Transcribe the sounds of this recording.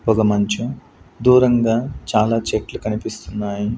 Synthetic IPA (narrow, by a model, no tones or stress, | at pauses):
pɔɡɐmɐɲt͡ʃu | d̪uːɾɐŋɡaːt͡ʃaːlaːt͡ʃeʈlukɐnipist̪unːaːji